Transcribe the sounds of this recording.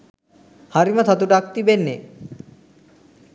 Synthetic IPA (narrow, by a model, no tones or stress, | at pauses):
haɾimat̪ʰat̪uʈak̚t̪ibenːe